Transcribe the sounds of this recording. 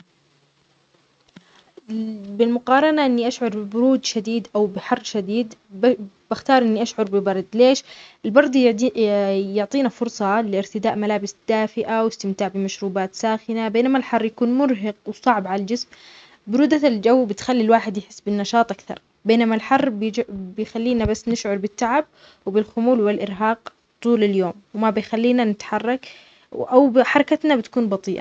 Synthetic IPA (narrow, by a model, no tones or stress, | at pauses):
bɪlmʊqɑːɾˤɑnaʔɪnːiʔaʃʕʊɾˤbɪbʊɾuːd̪ʃad̪iːd̪ʔawbɪħɑrˤːʃad̪iːd̪ | b̥axt̪ɑːɾˤʔɪnːiʔaʃʕʊɾˤbɪbɑɾˤd̪ˤleːʃɪlbɑɾˤd̪ˤ | jʊʕt̪ˤiːnafʊɾˤsˤɑlɪɪɾt̪ɪd̪aːʔmalaːbɪsd̪̥aːfɪʔawɪst̪ɪmt̪aːʕbɪmaʃɾuːbaːt̪saːxɪnabeːnamalħɑrˤːjakuːnmʊɾɦɑqwsˤɑʕbʕalald͡ʒɪsm | bɪɾuːd̪aald͡ʒawːbɪt̪xalːilwaːħɪd̪jɪħɪsːbɪnːɑʃɑːt̪ˤʔakθɑ̰ɾˤ | beːnamalħɑrˤːbbɪjxalːiːnabasːnɪʃʕʊɾˤbɪt̪ːaʕab̚ | wbɪlxʊmuːlwɪlʔɪɾɦɑːq | t̪ˤuːlaljoːmwmabɪjxalːiːnanɪt̪ħɑrˤːɑk | ʔawbħɑɾˤɑkat̪nabɪt̪ḁkuːnbɑt̪ˤiːʔa̰